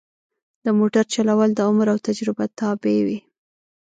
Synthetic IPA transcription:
d̪̥əmoʈaɾt͡ʃalawəld̪əʊmɾawt̪ad͡ʒɾɪbat̪ɑbewi

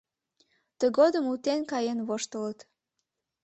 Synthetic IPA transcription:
t̪əɣod̪əmut̪enkɑjenβoʃt̪ələt̪

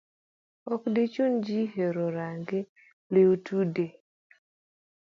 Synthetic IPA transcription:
ɔkdet͡ʃond͡ʒiɦeɾoɾaŋɡe | leutude

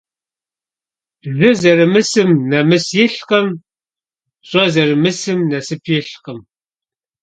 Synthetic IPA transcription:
ʒɨzɐɾɨmɨsɨmnɐmɨsjɪɬqɐm | ɕʷʼɐzɐrɨmɨsɨmnɐsɨpʰjɪɬqəm

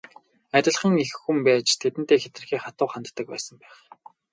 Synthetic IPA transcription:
æt̪ʲɪ̆ɮχə̆ŋexːumpæːt͡ɕt̪ʰet̪ɘnt̪eːxet̪̆rxiːχat̪ʊːχant̪ːə̆k̚pæ̰ːsə̆mpæːχ

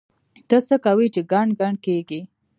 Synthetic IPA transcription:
t̪əsəkawit͡ʃeɡaɳɡaɳɖkeɡi

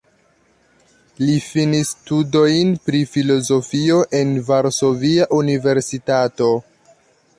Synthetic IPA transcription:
lifinistudo̞jnpɾifilo̞zo̞fio̞ʔe̞nvaɾso̞viaʔunive̞ɾsitato̞

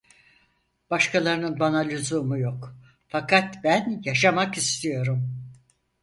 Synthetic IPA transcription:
b̥aʃkʰalˠaɾɯnɯnbanalʲyzumujo̞k | fakʰat̪bænjaʃamakist̪ʰijo̞ɾum

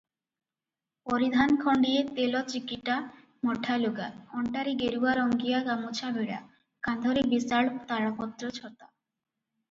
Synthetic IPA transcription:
poɾid̪ʱankʰɔɳɖiet̪elɔt͡ɕikiʈa | mɔʈʰaluɡaɔɳʈaɾiɡeɾuaɾɔŋɡijaɡamot͡ɕʰabeɽa̰ | kand̪ʱoɾebisaɭt̪aɽapɔt̪ːɾot͡ɕʰɔt̪a

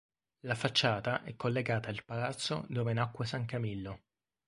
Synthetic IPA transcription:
lafat͡ʃːaːt̪aʔɛkːolːeɡaːt̪ailpalat̪sːo̰d̪oːvenakːwesaŋkamilːo

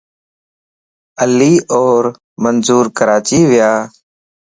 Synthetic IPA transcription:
əlːiːʔoːɾ | mənzuːɾkəɾaːt͡ʃiːʋɪjaː

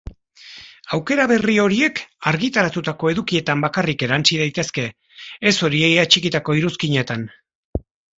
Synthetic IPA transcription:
awke̞ɾaβe̞rio̞ɾie̞kaɾɣit̪aɾat̪ut̪ako̞e̞ðukie̞t̪ambakarike̞ɾant͡ʃiðajt̪e̞ske̞ː | so̞ɾiejat͡ʃikit̪ako̞iɾuskiɲe̞t̪an

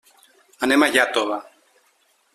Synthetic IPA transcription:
anemajat̪oβa

